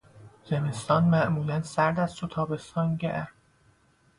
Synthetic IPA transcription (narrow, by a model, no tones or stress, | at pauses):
zemest̪ɒːnmæʔmuːlænsæɾd̪æzt̪ot̪ʰɒːbe̞st̪ʰɒːnɟeʔæ